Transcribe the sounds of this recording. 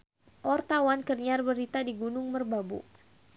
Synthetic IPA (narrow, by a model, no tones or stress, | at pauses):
ʔɔrt̪awankərɲarbəɾit̪adiɡunʊŋmərbabṵ